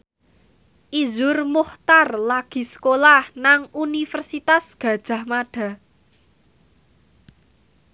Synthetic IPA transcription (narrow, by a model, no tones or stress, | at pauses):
ʔizʊrmuht̪arlaɡ̥i̤sə̥kolahnaŋunifərsit̪asɡ̥ä̤d̥ʒ̥a̤hmaɖ̥a̤